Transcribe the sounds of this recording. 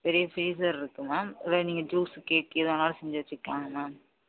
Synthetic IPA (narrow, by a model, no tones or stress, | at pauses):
pɛɾɪjɐfiːs̬ɐɾɪɾɯkːɯmaːmɪʋɐniːŋɡɐd͡ʒuːskeːʈ̚ːɪɐðɐnaːlɐsɛɲd͡ʒɐʋɐt͡ʃːɪkːaːŋɐmaːm